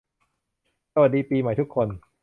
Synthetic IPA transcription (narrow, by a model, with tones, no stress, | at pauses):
sa˧wa˨˩t̚diː˧piː˧ma˨˩˦jt̪u˦˥kʰːo˧n